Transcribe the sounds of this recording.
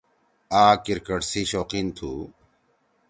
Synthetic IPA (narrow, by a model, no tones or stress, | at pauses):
aːkiɾkɐʈsiɕoːqint̪ʰṵ